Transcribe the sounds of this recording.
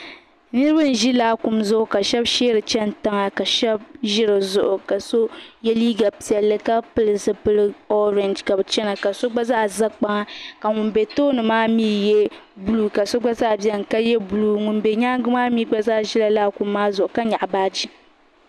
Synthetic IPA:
nɨ˦ɾɨ˦bɨ˦n̩˨ʒi˦laː˦ku˨mzʊ˦ʔʊ˨ka˨ʃɛ˦bʃeː˦ɾɨ˨t͡ʃɛ˦n̩˨ta˦ŋa˨ka˨ʃɛ˦b̚ʒɪ˦ɾɨ˨zʊ˨ʔʊ˨ka˨so˦jɛ˦liː˦ɡa˨pi˨ɛ˨lːɨ˦ka˦pɨ˦lɨ˨zɨ˦pɨ˦lɨ˦ɔ˦ɾɛ˨nd͡ʒka˨bɨ˨t͡ʃɛ˦na˨ka˨so˦ɡ͡ba˦za˦ʔza˦k͡pa˦ŋa˦ka˨ŋu˨nbe˨toː˦nɨ˨maː˦miː˦jɛ˦ | bu˦lu˨ka˨so˦ɡ͡ba˦za˦ʔbjɛ˦ŋ̩˨ka˦jɛ˦bu˨lu˦ŋu˨n˦be˨ɲaː˦ɡɨ˦maː˦miː˦ɡ͡ba˦za˦ʔʒi˦la˨laː˦ku˨mːaː˦zʊ˨ʔʊ˨ka˦ɲa˨ʔbaː˦d͡ʒi˦

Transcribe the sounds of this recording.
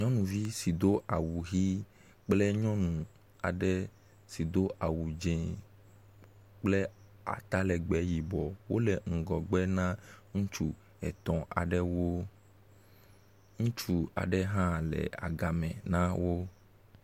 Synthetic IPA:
ɲɔ̃˦nũ˨vi˦si˨d̪o˦ʔa˨wu˨ɣi˦ | k͡ple˦ɲɔ̃˦nũ˨ | a˨ɖɛ˦ | si˨d̪o˦ʔa˨wu˨d͡ʒɛ̃˨ | k͡ple˦ | a̰˨t̪a˦lɛ˨ɡ͡bɛ˨˦ji˨bɔ˨wo˦lɛ˨ŋ̩˨ɡɔ˨ɡ͡bɛ˦nã˦ŋũ˦t͡ʃu˦ | ɛ˨t̪ɔ̃˨ʔa̰˨ɖɛ˦wo˦ | ŋũ˦t͡ʃu˦a̰˨ɖɛ˦ɦã˦lɛ̰˨a̰˨ɡa˨mɛ̃˨nã˦wo˦

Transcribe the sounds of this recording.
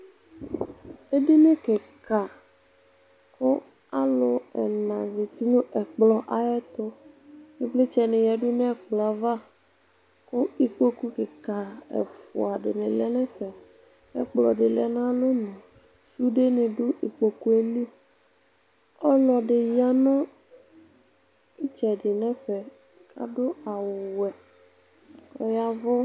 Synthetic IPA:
e˦di˦nẽ˦ke˨ka˨ | kʊ˦ | a˦lʊ˨ɛ̰˨nã˨ze˨t̪i˦nũ˦ʔɛ˨k͡plɔ˨ʔa˨ɛ˦t̪ɔ˦nẽ˦ble˦t͡ʃɛ˨nɪ̃˨jɛ˨ɖʊ˦nɛ̃˦˨k͡plɔ˨a˨va˦ | kʊ˦i˦k͡po˦ku˦ke˨ka˨ɛ̰˨fʊ̰˨a˨ɖɪ̰˨nɪ̃˨lɛ˦nɛ̃˦ɸɛ˨ | ɛ̰˦k͡plɔ˨ɖɪ˨lɛ˦nã˦lo˦nʊ̃˨ | su˦ɖe˦nẽ˨ɖʊ˦ʔi˨k͡po˨ku˦e˦lu˦ | ɔ˦lɔ˨ɖɪ˨ja˦nʊ̃˦ | i˦t͡ʃɛ˨ɖɪ˨nɛ̃˦ɸɛ˨ | kʰa̰˦ɖʊ˦a˨wʊ˨wɛ˨ | ɔ̰˦ja˦vʊ˦

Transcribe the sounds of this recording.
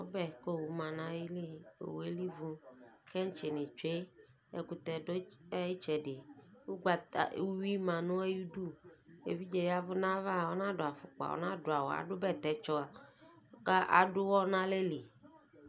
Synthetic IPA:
wo˦bɛ˦ko˦˨wu˨mã˨nã˦wi˦li˦o̰˨we˦li˦vu˦ke˦ŋ̩˦t͡ʃe˨nẽ˨t͡ʃe˦ | ḛ˨ku˨t̪ɛ˨do˦ji˦t͡ʃɛ˨ɖe˨wu˦ɡ͡ba˨ta̰˨˦u˦wi˦mã˨nũ˦e˦ju˦du˦ḛ˨vi˦d͡ʒe˨ja˦vʊ˦nã˦va˦˨wo˦nã˦ɖo˨a˨fʊ˨k͡pa̰˨wo̰˦nã˦do˨a˨wo̰˨a̰˨ɖʊ˦bɛ˦˨t̪ɛ˨˦t͡ʃɔ˦a˨˦ | ka˦ʔa̰˨ɖʊ˦wɔ˦nã˦le˦li˨

